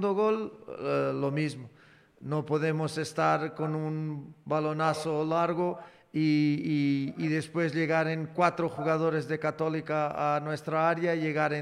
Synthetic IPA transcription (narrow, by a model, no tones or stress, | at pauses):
d̪oɣolː | omizmo | nopoðemosest̪aɾkonunbalonasolaɾɣo | i | ðespwezʎeɣaɾeŋkwat̪ɾoxuɣað̞oɾezðekat̪olikaːnwest̪ɾaaɾjaʎeɣaɾe